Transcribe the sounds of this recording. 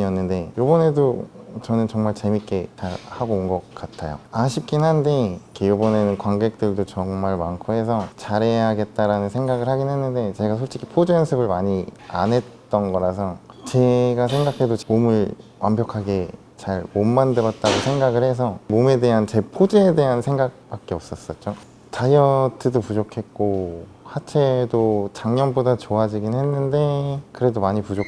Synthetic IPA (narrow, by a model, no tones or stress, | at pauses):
ʌnːɯnde̞jobʌne̞dot͡ɕʌnɯnt͡ɕʌŋmaɭt͡ɕe̞mik͈e̞t͡ɕaɾhaɡounɡʌk̚k͈atʰajo̰aɕʰip̚k͈inɦande̞ikʰejobʌnenɯnkwaŋɡe̞k̚t͈ɯɭdot͡ɕʌŋmaɭmankʰuɦe̞s̬ʰʌt͡ɕaɾe̞ɦaɡe̞t̚t͈aɾanɯnsʰe̞ŋɡaɡɯɭhaɡinwe̞nːɯnde̞t͡ɕe̞ɡas̬ʰoɭt͡ɕ͈ikʰi̥pʰod͡ʑejʌnsʰɯbɯɭmaɲi | a̰nɦe̞t̚t͈ʌnɡʌɾasʰʌt͡ɕe̞ɡas̬ʰe̞ŋɡakʰe̞domomɯɭwʔa̰mbjʌkʰaɡe̞ | t͡ɕaɾmomːandɯɾʌt̚t͈aɡosʰeŋɡaɡɯɭhe̞s̬ʰʌmome̞de̞ɦant͡ɕe̞pʰod͡ʑeːde̞ɦansʰe̞ŋɡak̚p͈ak͈eʌp̚s͈ʌs͈ʌt̚t͡ɕ͈o | t͡ɕajʌtʰɯdopud͡ʑokʰe̞t̚k͈o | hat͡ɕʰe̞dot͡ɕaŋɲʌnbodat͡ɕoad͡ʑiɡinɦe̞nːɯnde̞kɯɾe̞domaɲipud͡ʑo